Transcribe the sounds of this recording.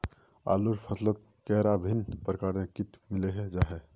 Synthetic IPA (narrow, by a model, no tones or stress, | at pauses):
a̰ːluɾpʰəslət̪̚ | kɛːɾabʱɪnpɾəkaːɾẽkɪʈmɪleɦɛd͡ʒaːɦɛ